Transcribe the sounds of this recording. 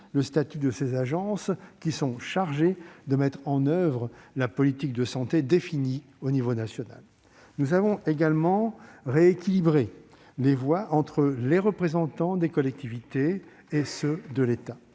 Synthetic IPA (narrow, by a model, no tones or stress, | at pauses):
ləst̪at̪yd̪əsezaʒɑ̃skʲisɔ̃ʃaʁʒed̪əmɛt̪χɑ̃nœvʁəlapɔlit̪ik̚d̪əsɑ̃t̪ed̪efini | onivonasjɔna̰l | nuzavɔ̃eɡalmɑ̃ʁeekʲilibʁe | levwaʔɑ̃t̪χəleʁəpχezɑ̃t̪ɑ̃d̪ekɔlɛk̚t̪ivit̪eː | səd̪əlet̪a